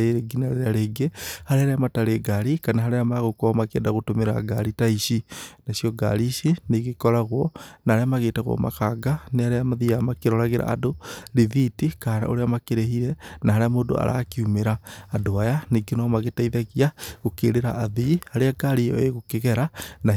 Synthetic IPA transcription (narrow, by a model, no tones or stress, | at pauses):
eɾeɡinaɾeɾaɾeɡehaɾeaɾeamataɾeɡaɾikanaɦaɾeamaɣokɔmakɛ̰ndaɣotomeɾa̰ɡa̰ɾitaiʃinasjɔɡa̰ɾiʃineɣekɔɾaɣwɔnaɾeamaɣetaɣɔ̰ma̰kaɡaneaɾeamaðiamakeɾɔɾaɣeɾa̰ːdoɾivitikaɾa̰o̰ɾeamakeɾeɦiɾɛnaɦaɾeamoːdo̰a̰ɾa̰kiumeɾaːdoajaneɡinɔmaɣetaiðaɣiaɣokeɾeɾaʔːðihaɾeaɡaɾijɔ̰eɣokeɣɛɾana